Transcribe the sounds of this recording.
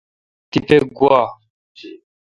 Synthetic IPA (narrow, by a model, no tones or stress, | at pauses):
t̪ipeɡwa